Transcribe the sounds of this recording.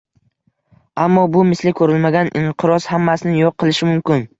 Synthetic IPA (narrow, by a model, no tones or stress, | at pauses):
amːɒbʊmɪslɪkʰɵɾɪlmaɡʲanɪɴqʰɨɾɒshamːasɪnɪjoqʰːɨlˠɪʃɪmʊmkʲɪn